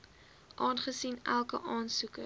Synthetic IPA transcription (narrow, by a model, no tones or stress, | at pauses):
ʔɑːnχəsinælˠkəʔɑːnsukə